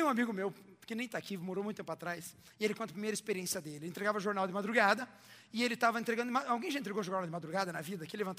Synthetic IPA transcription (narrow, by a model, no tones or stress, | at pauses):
ũamiɡʊmewpkenẽj̃t̪akimoɾowũt̪t̪ẽpʊat̪ɾajs | ɪelɪkõɐpɾimejɾɐɪspeɾiẽsiɐd̪elɪẽnt̪ɾeɡavɐʒoɾnawd̪ɪmad̪ɾuɡad̪ɐ | ɪelɪt̪avɐẽnt̪ɾeɡɐ̃d̪ʊmaawɡẽj̃ʒaẽt̪ɾeɡoʒoɾnalwd̪ɪmad̪ɾuɡad̪ɐnɐvid̪ɐkilevɐ̃nt̪